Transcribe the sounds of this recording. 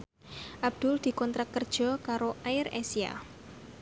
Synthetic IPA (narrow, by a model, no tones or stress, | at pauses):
ʔab̚d̪̥ʊld̪̥i̤kɔnt̪ɾakːərd̥ʒ̥ɔ̤kaɾoʔaɪɾesia̰